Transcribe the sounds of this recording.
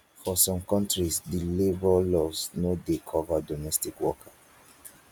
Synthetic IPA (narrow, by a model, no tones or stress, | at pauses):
fɔsɔ̃mkɔ̃ntɹisdilebɔlɔsnodekʰɔvadɔmɛstikwɔkʰa